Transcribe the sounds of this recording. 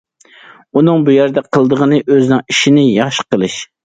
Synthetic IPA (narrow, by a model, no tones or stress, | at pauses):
unɨŋbujæɾd̪ɛqʰəlˠd̪əʁənɨʔøznɪŋiʃinɪjɑχʃqəlˠɨʃ